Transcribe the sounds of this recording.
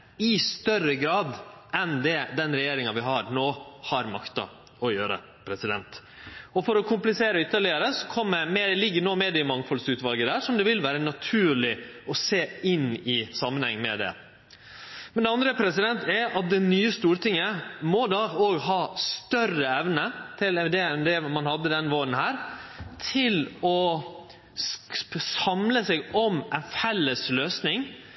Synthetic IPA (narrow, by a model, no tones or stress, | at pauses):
ɪst̪œrəɡɾɑːd̪ɛnd̪ɛd̪ɛnɾɛjeːɾɪŋɑʋɪɦɑɾnoːhɑɾmɑkt̪ɑ̰ | ɔjøːɾə̰ | pʰɾɛsɪd̪ɛ̰nt̪ | ɔfɔɾɔkʰʊmplɪseːɾəʏt̪ːəɭɪəɾəsɔkʰɔmːəmelɪɡːəɳoːmeːd̪ɪɪmɑŋfɔlsʉːt̪ʋɑlɡəd̪æːʂɔmd̪ɛʋɪlʋæːɾənɑt̪ʰʉːɭɪɔseːɪnːɪsɑmːənhɛŋːnmɛd̪ɛ̰ | mɛnd̪ɛɑnd̪ɾəpʰɾɛsɪd̪ɛnt̪ɛɑt̪̚d̪ɛnyːəst̪uːɾʈ̪ɪŋːəmɔd̪ɑːoːɡɦɑːst̪œrəɛʋnət̪ʰɪlɛd̪ɛɛnd̪ɛmɑnhɑd̪ːəd̪ɛnʋoːɾən̩hæːɾt̪ʰɪlɔ | sɑmləsɛɡɔmɛnfɛlːəsløːsnɪŋ